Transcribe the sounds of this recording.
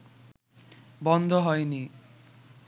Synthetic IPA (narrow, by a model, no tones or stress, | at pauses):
bɔnd̪ʱoɦɔeni